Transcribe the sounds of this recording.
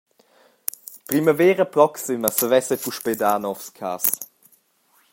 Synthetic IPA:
pɾiməvɛːɾəpɾɔksiməsəvɛsɛpuʃpedaːnɔfskʰa̰ːs

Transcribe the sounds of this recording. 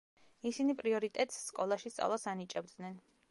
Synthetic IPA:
isinipʼɾiɔɾit̪ʼɛt̪ʼsːkʼɔlˠaʃist̪sʼa̰vlˠasanit͡ʃʼɛb̚d̪nɛn

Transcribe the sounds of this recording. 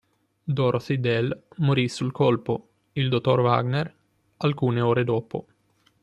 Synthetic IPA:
d̪oɾosid̪ɛlmoɾisulkɔlpo | ild̪ot̪ːorva̰ɡner | alkuːneoːɾed̪oːpo̰

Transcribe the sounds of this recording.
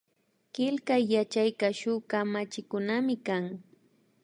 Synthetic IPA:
kɪlkajːat͡ʃajkaʃʊkamat͡ʃɪkʊnamɪkaŋ

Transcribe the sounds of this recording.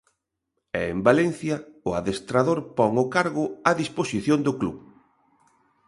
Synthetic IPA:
ɛembalɛn̟θjɐʊaðest̪ɾaðoɾpɔŋʊkaɾɣʊaðisposiθjond̪ʊkluβ

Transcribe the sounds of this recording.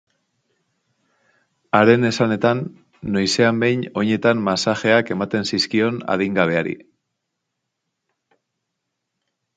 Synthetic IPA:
aɾe̞ne̞sane̞t̪anː | ojse̞ambe̞jno̞ɲe̞t̪anmasaxe̞ake̞mat̪e̞nsiskio̞na̰ðiŋɡaβ̞e̞aɾḭ

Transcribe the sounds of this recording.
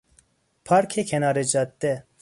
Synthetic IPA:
pʰɑːɾkʰeːkʰɛnɑːɾed͡ʒɑːt̪ːɛ

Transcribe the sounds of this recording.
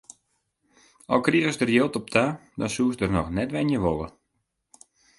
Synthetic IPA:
ɔlˠkriəəsdərjɪlˠtɔp̚tʰadɔnsuəsdərnɔxnɛtʋɛnjəʋolˠə̰

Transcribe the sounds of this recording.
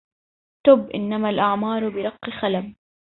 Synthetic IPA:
t̪ʊbʔɪnːamalʔaʕmɑːɾˤbɪɾˤɑqːxalam

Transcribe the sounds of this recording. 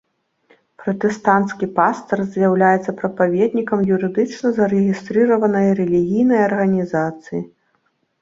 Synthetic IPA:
pɾɐt̪ɛst̪ant̪skʲipast̪ɐrzʲjawlʲajɛt̪sːɐpɾɐpavʲɛd̪nʲikɐmjuɾɨd̪ɨt͡ʂnɐzɐɾɛɣʲist̪ɾɨɾɐvɐnɐjɐɾɛlʲiɣʲijnɐjɐrɣɐnʲizat̪sɨji

